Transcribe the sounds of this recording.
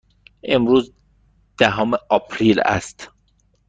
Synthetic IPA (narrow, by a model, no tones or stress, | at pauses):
ʔe̞mɾuːz | d̪̥æɦɔːmeɒːpʰɾiːlæ̰st̪